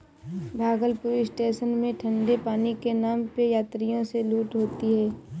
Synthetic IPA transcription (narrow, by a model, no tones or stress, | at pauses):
bʱaːɡəlpʊɾɪsʈeːʃənmẽʈʰə̃ɳɖepaːnikenaːmpejaːt̪ɾijõseluːʈɦoːt̪iɦɛː